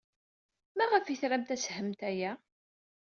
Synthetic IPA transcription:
mæʁəfiθɾæmt̪æshəmt̪æjæ

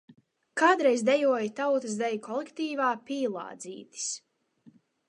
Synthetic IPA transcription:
kaːd̪ɾɛjzd̪ɛjuɔjt̪awt̪ɨs̬d̪ɛjkʰɔlˠɛkt̪iːvaːpiːlˠɑ̰ːd̪zḭːt̪i̥s

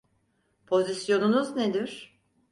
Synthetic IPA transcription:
pʰo̞zisjo̞nunuzned̪iɾ̥

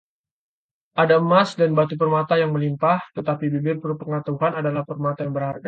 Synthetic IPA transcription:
ʔadamasdanbat̪upərmat̪ajaŋməlimpaht̪ət̪apibibɪrpərpəŋat̪auɦanadalahpərmat̪ajaŋbəɾarɡa

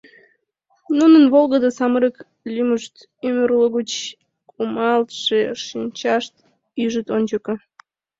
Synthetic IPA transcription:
nunənβolɣəd̪əsɑməɾək | lʲyməʃt̪ | ymərloɣut͡ɕ | kumɑlt̪ʃeʃinʲt͡ɕɑʃt̪ | yʒət̪onʲt͡ɕəkə

